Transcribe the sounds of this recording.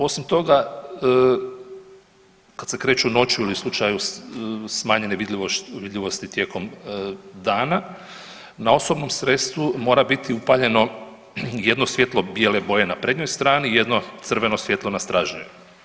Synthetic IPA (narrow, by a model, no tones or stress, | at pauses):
o̞simt̪o̞ɡa | kad̪se̞kɾe̞ːt͡ʃuno̞t͡ʃjuilislˠut͡ʃaju | smaːɲe̞neʋid̪ioʋid̪ʎʲiʋo̞st̪it̪je̞ːko̞m | d̪aːna | nao̞so̞bno̞msɾe̞t̪st̪ʋumo̞ːɾabit̪iupaʎe̞no̞ | je̞d̪no̞sʋje̞t̪lˠo̞bjeleboje̞napɾedɲojst̪ɾaːnije̞d̪no̞t̪sr̩ʋe̞no̞sʋje̞t̪lo̞nast̪ɾaʒɲṵjṵ